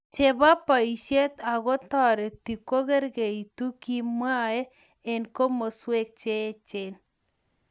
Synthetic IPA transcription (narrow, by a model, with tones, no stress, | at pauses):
t͡ʃe˨ba˦pa˨i˨ʃje˦t̪a˨ɡɔ˦t̪ɔ˦˨ɾe˨t̪i˨ko˦ɣe˦ɾɡe˨i˨t̪u˦ki˦mwa˦e˦ | e˨nko˦mo˨swe˦k̚t͡ʃe˦t͡ʃe˨n